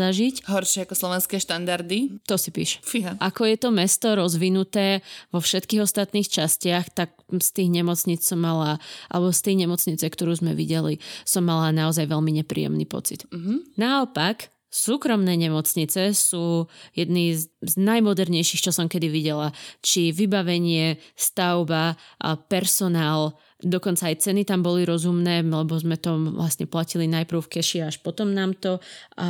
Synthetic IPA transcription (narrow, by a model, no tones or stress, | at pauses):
aʒicɦɔɾʃɪɛakɔslˠɔʋɛnskɛːʃt̪and̪aɾd̪it̪ɔsipḭːʃɛ̥fiɦaʔakɔjɛt̪ɔmɛst̪ɔɾɔzʋinut̪ɛːʋɔfʃɛt̪kiːɣɔst̪at̪niːxt͡ʃascɪaxt̪ak̚st̪iːɣɲɛmɔt͡sɲit͡ssɔmːalaʔa̰lɛbɔst̪ɛjɲɛmɔt͡sɲit͡sɛkt̪ɔɾuːzmɛ̰ʋḭɟɛlisɔmːalanaɔzajʋɛlmiɲɛpɾḭːɛ̰mnḭːpɔ̰t͡sit̪naɔpak | suːkɾɔmnɛːɲɛmɔt͡sɲit͡sɛsuːjɛd̪niːzznajmɔd̪ɛɾɲɛjʃixt͡ʃɔsɔmkɛd̪iʋiɟɛlat͡ʃiʋibaʋɛɲɪɛst̪aʊbapɛɾsɔnaːl | d̪ɔkɔnt͡saːjt͡sɛnit̪ambɔliɾɔzumnɛːlɛbɔzmɛt̪ɔʋlasɲɛplacilinajpɾʊfkɛʃiaʃpɔt̪ɔmnaːmt̪ɔ